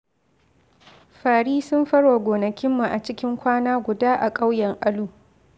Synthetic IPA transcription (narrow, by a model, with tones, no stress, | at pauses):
ɸaː˨ɽiː˦sʊ˦mɸɐ˦rwa˨ɡʷoː˨nɐ˨kʲɪ˦mːu˨ʔa˨t͡ʃɪ˦kʲɪ˦ŋkʷaː˦naː˦ɡʷʊ˨daː˦ʔa˨kʼa˦wjɛ˨ŋʔa˦luː˦